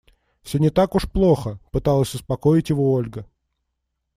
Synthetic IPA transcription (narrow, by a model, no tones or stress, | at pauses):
fsʲonʲɪt̪akʊʂplˠoxəpɨt̪alˠəsʲʊspɐkoɪtʲjɪvoolʲɡə